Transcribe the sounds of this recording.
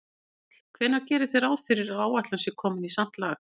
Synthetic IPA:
kʰvɛːnaɾcɛːɾɪθejɾaːwðfɪɾɪɾawaːwat̪lʏnsɪkʰɔːmɪnisan̥t̪laːx

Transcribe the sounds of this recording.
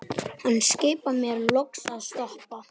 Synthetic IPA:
hanːscɪːpamjɛɾlɔksaðst̪ɔhpa

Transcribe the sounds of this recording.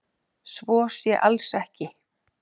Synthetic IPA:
svɔːsjɛʔalsɛhcɪ

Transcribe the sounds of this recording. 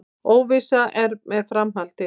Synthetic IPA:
oːwvisaɛɾmɛðfɾamɦalt̪ɪ

